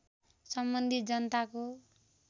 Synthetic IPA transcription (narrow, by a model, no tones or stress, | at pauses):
sʌmbʌnd̪ʱit̪̚d͡zʌnʌt̪ako